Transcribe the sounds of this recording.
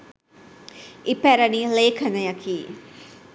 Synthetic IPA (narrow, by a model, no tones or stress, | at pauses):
ipɛɾɐnileːkʰɐnɐjɐkʰi